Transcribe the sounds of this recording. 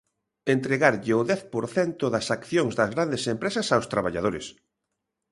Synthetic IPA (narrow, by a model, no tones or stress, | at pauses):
ent̪ɾeɣaɾʎɪʊðɛθpoɾθɛnt̪ʊðɐsakθjoŋzðɐzɣɾand̪esempɾesɐsawst̪ɾaβaʎa̰ð̞oɾɪ̰s